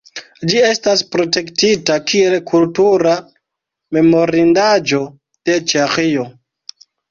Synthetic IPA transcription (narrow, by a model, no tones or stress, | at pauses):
d͡ʒie̞staspɾo̞te̞ktitakie̞lkʰultuɾa | me̞mo̞ɾindad͡ʒo̞ | d̥e̞t͡ʃexio̞